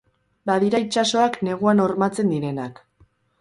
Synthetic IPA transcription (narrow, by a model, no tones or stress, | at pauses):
baðiɾait͡ʃaso̞akne̞ɣ̞uano̞ɾmat͡se̞nd̪iɾe̞nak